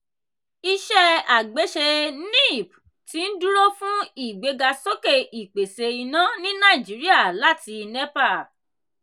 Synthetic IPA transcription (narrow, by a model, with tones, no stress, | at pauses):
i˧ʃɛ˦a˨ɡ͡be˨˦ʃe˧nĩ˦˨p | ti˨˦n̩˦du˦ɾo˦fũ˦i˦˨ɡ͡be˧ɡa˧so˦ke˦˨ʔi˨k͡pe˨se˧i˧nã˦nĩ˦nã˦˨i˨d͡ʒi˨˦ɾi˦a˦˨la˦ti˧nɛ˦pa˦˨